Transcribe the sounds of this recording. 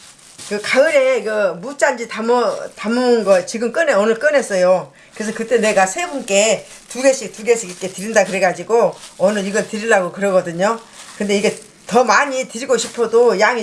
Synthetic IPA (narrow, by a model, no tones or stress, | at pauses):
kɯkaɯɾe̞ɡʌmut͡ɕ͈and͡ʑitamʌtamɯnɡʌt͡ɕiɡɯmk͈ɯneonɯɭk͈ɯnɦe̞s͈ʌjo | kɯɾesʰʌkɯt͈e̞ne̞ɡasʰe̞bunk͈e̞ | tuɡe̞ɕʰik̚tuɡe̞sʰiɡik͈e̞tɯɾindakɯɾe̞ɡad͡ʑiɡoonɯɾiɡʌntɯɾiɭːaɡokɯɾʌɡʌdɯɲokɯnde̞iɡe̞ | tʌmaɲitɯɾiɡoɕʰipʰodojaŋi